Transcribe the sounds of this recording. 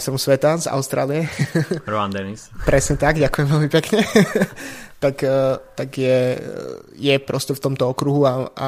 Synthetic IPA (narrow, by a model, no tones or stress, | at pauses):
st̪ɾmusʋɛt̪aza̰ʊst̪ɾa̰ːlijɛɾɔand̪ɛnispɾɛsɲɛt̪aɡɟakujɛmʋɛlmipɛkɲɛ | t̪akːt̪aɡjɛ | jɛpɾɔscɛft̪ɔmt̪ɔɔkɾuɦuaa̰